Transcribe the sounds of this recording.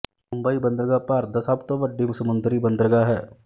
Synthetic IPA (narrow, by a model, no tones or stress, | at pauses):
mʊ̃mbəibə̃nd̪əɾəɡapaːɾd̪ɐsabt̪oʋəɖːimsəmʊ̃nd̪ɾibə̃nd̪əɾəɡaɦɛː